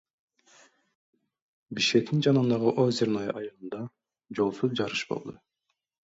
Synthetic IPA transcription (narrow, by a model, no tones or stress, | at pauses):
biʃkʲe̞k̚t̪ind͡ʒɑnɯnd̪ɑʁɯʔozeɾnojʔɑjɯlˠɯnd̪ɑ | d͡ʒo̞lˠsuzd͡ʒɑɾɯʃbo̰lˠd̪u